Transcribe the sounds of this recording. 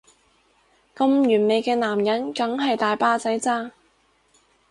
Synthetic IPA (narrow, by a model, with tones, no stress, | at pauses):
kɐ˧mjyː˨˩nme˨˧jkɛː˧naː˨˩mjɐ˨˥nkɐ˨˥ŋɦɐ˨jt̪aː˨jpaː˥t͡sɐ˨˥jt͡saː˥